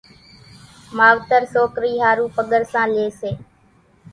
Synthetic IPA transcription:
maːʋt̪əɾsoːkɾiːɦaːɾuːpəɠəɾsãːleːseː

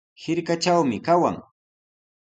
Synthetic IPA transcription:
hɪɾkat͡ʃawmɪkawa̰ŋ

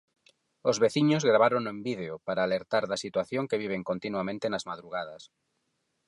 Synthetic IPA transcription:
ozβeθiɲozɣɾaβ̞aɾonoembið̞eopaɾaːleɾt̪aɾðasit̪waθjoŋkeβiβ̞eŋkont̪inuamẽnt̪enazmaðɾuɣ̞að̞ɐs

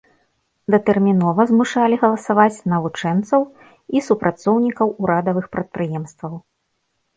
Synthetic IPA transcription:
d̪ɐt̪ɛrmʲinɔvɐzmuʂalʲiɣɐlˠɐsavat͡sʲnɐvut͡ʂɛnt̪sɐw | isupɾʔat̪sɔwnʲikɐwuɾad̪ɐvɨxpɾɐt̪̚pɾɨjɛmst̪vɐw

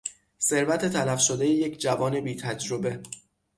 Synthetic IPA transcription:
se̞ɾvæt̪ʰe̞t̪ʰælæfʃo̞d̪ejeje̞cʰd͡ʒævɒːne̞biːt̪ʰæd͡ʒɾo̞be̞

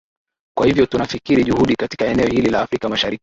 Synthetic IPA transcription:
kwahivjɔtunafikiɾiʄuhuɗikati̥kaɛnɛɔhililaːfɾikamaʃaɾiki̥

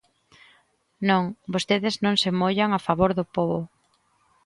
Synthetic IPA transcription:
nõŋbost̪eðɪznõŋsemoʎaŋafaβoɾðʊpoβʊ

